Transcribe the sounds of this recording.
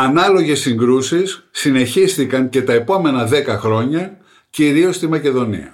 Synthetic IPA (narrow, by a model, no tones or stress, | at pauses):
ɐnɐlo̞ʝe̞siŋɡɾusisːine̞çisθikɐɲce̞t̪ɐe̞po̞me̞nɐðe̞kɐxɾo̞ɲɐ | ciɾio̞st̪imɐce̞ðo̞nḭɐ̰